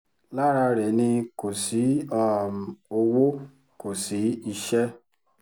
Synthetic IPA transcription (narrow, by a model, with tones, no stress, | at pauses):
la˦ɾa˧ɾɛ˨nĩ˧ko˨si˨˦ɔ˦˨o˧wo˦ | ko˨si˨˦i˧ʃɛ˦